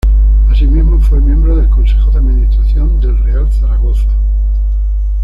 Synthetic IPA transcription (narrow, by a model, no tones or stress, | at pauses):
asimizmofwemjẽmbɾoðelkonsexoðeaðmĩnist̪ɾaθjo̞nd̪e̞lrealθaɾaɣ̞o̞θa